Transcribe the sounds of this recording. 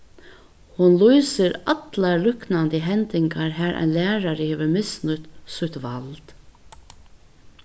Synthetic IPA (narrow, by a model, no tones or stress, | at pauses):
hʊnlujsɪɾat̪laɾlʏknant̪əɦɛnt̪ɪŋkaɹɦæːɾʔa̰nlæːɾaɾɪheːʋəɹmɪsnʊt̪sʊht̪ʋalt̪